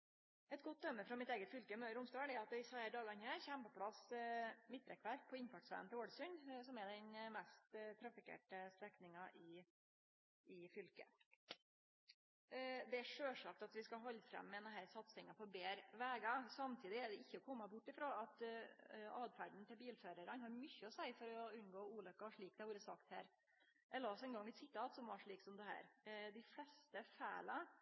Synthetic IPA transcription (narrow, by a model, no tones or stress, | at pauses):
ɛt̪ɡɔt̪̚d̪œmːəfɾɑmɪt̪eːɡət̪fʏlkəɪmœʏəɾʊmst̪ɑːɳɛɑt̪̚d̪ɛɪsɑəɖɑːɡɑnhæːɾçæmpɔpʰlɑsmɪt̪ːɾɛkʰʋæɾk̚pʰɔɪnfɑʈsʋæ̰ːnt̪ɛoːɖsʉnsɔmɛd̪ɛnmɛst̪t̪ʰɾɑfɪkʰḛːʈəst̪ɛknɪŋɑʔɪ | ɪfʏlkə̰ | d̪ɛæʂøːʂɑk̚t̪ɑt̪ʋɪskɑɦɔlːfɾɛ̰mːɛɛnɦæːɾsɑt̪sɪŋɑpʰɔbeːɾʋæːɡɑsɑmt̪ʰiːd̪ɪæɖɛɪçːəɔkʰɔmːɑbʊʈːɪfɾoːɑt̪ | ɑːd̪fæɖn̩t̪ʰɪlbiːlføːɾəɾɑnhɑɾmʏçːəɔsæɪfɔɾɔʉnɡoːuːlœkːɑʋɑʂɭiːk̚d̪æʋuːɾəsɑkt̪hæ̰ːɾ | ʔɛləɔsɛnɡɑŋːɛt̪sɪt̪ːɑːt̪sɔmʋɑʂɭiːksɔmd̪ɛɦæ̰ːɾd̪ɪflɛst̪əfæːlɑ